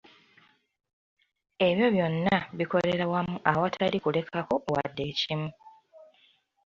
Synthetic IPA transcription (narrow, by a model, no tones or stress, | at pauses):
e̞βjo̞βjo̞nːaβiko̞le̞ɾawamuʔawatʰalikule̞kʰako̞wa̰dːe̞cimu